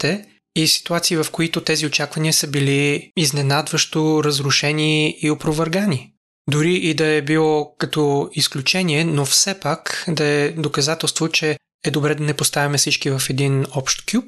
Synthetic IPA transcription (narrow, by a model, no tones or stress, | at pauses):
t̪ɛ | isi̥t̪uat̪siːvɐfkoit̪ʊt̪ɛziot͡ʃakvɐniəsəbiliiznɛnad̪vəʃt̪oɾəzɾʊʃɛniːopɾovɛɾɡani | d̪ʊɾiʔid̪ɐɛbilˠɔkɐt̪ɔisklʲut͡ʃɛniɛnofsɛpakd̪ɐɛd̪okɐzat̪ɛlˠst̪vot͡ʃɛ | ɛd̪obɾɛd̪ɐnɛpost̪avimɛsit͡ʃkivɐfɛd̪inɔpʃt̪kʲjup̚